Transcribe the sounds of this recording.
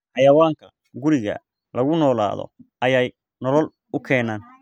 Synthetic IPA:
hɑjɐwaːŋkʰɐ | ɡʊɾɪɣɐ̰ | lɐɣʊnɔːla̰ːðɔ̰ʔɐjɛj | nɔlɔl | ʊkʰɛːnaːn

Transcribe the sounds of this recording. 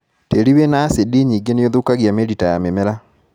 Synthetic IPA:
teɾiβenasediɲiɡenejoðukaɣjameɾitajamemɛɾa

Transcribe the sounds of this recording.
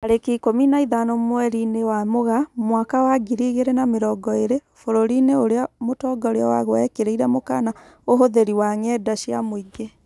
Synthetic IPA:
aɾekikominaiðanomwɛɾinewamoɣamwakawaɡiɾiɣeɾenameɾɔɡɔeɾe | foɾoɾineoɾeamotɔːɡaoɾeawa̰ɣwɛkeɾeiɾɛmoka̰na | oɦoðeɾiwaŋɛdaʃiamoiɡe

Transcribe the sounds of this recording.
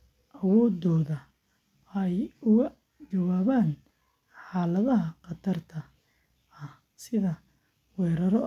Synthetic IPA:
ʔɐwɔːd̪ɔːðɐ | ɛjʊɣɐ | t͡ʃɐwaːβaːn | ħɑːlɐðɐɦɐqɑt̪ʰɐrt̪ʰɐ | ɐh | sɪðɐ | wɛːɾɐɾɔ

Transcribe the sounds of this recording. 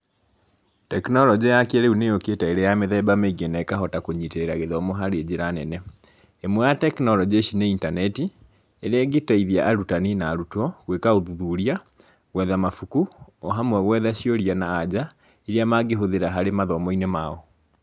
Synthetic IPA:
tɛknɔlɔd͡ʑajakeeɾeunejoketaeɾejameðɛbameiɡɛnaekaɦɔtakoɲiteeɾaɣeðɔmɔɦaɾed͡ʑeɾanɛnɛ | emwɛjatɛknɔlɔd͡ʒeʃineintanɛti | eɾeɛɡetaiðiaʔaɾutaninaːɾutɔɣwekaoðuðuɾia | ɣwɛðamafukuoɦamwɛɣwɛðaʃijoɾianaːd͡ʑa | eɾiamaɡeɦoðeɾaɦaɾemaðɔmɔinemaɔ

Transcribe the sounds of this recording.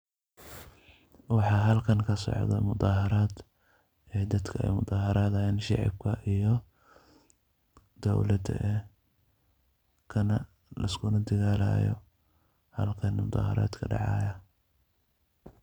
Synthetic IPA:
wɑħɑːɦɐlkʰɐnkʰɐsɔ̰ʕd̪ɐ̰mʊd̪ɑːɦɐɾaːd̪ | ɛːd̪ɐd̪kʰɐɛ̰jmʊd̪ɑːɦɐɾaːðɐhɛːnʃɑ̰ʕɑ̰b̚kʰɐʔijɔ | d̪̥ɔwlɐd̪ɐ̰ʔɛː | kʰɐnɐ | lɐskʰʊnɐd̪ɐɣaːla̰ːjɔ̰ | hɐ̰lkʰɐnmʊd̪ɑ̰ːhɑ̰ɾa̰ːd̪kʰɐɖɑ̰ʕɑ̰ːjɐ

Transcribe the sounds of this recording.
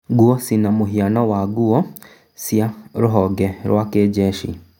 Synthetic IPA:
ɡuɔsinamuɦianɔwaɡuɔ | sjaɾuɦɔɡɛɾwakeɟɛʃḭ

